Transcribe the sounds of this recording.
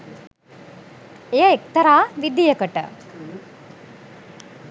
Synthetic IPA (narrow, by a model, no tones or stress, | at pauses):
ejəek̚t̪ɐɾaːʋid̪ːijəkəʈə̰